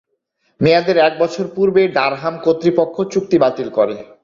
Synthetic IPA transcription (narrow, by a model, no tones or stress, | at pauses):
mejad̪eɾɛk̚bɔt͡ɕʰoɾpuɾbeɖaɾɦamkot̪ːɾipokʰːot͡ɕuk̚t̪ibat̪ilkoɾe